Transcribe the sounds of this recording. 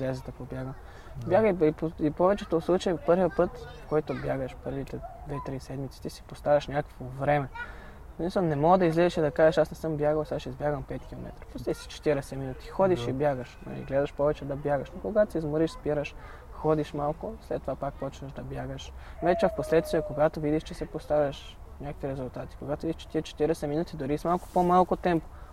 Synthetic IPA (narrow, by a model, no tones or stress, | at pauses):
izlɛzɛt̪ɐpobjaɡəm | bjaɡəiipoipɔvɛt͡ʃɛt̪oslˠut͡ʃɐjɛpɤɾvijəpɤt̪fkɔjt̪objaɡəʃpɤɾvit̪ɛd̪vɛt̪ɾisɛd̪mit̪si̥t̪isi̥post̪avʲɐʃnʲakə̥kvovɾɛmɛ | smislˠnɛmɔɡd̪ɐizlɛzɛʃid̪ɐkaʒeʃasnɛsɤmbjaɡəlˠsaʃizbjaɡəmpɛt̪kʲilˠo̰mɛ̰t̪ɾə̥poslɛsi̥t͡ʃɛ̥t̪iɾɛsɛminut̪i̥xɔd̪iʃibjaɡəʃnɐ̰ḭɡlɛd̪ɐʃpɔvɛt͡ʃɛd̪ɐbjaɡəʃnokoɡat̪osʲizmoɾiʃspiɾəʃ | xɔd̪iʃmalˠkʊslɛt̪ːovapak̚pɔt͡ʃnəʒd̪ɐbjaɡəʃvɛt͡ʃɛfposlɛt̪t̪viɛkoɡat̪ovid̪iʃt͡ʃɛsɛpost̪avʲɐʃ | nʲakəkviɾɛzulˠt̪at̪i̥koɡat̪ovidiʃt͡ʃɛ̥t̪iɛt͡ʃɛ̥t̪iɾɛsɛminut̪id̪oɾismalˠko̥pomalˠkot̪ɛmpo̥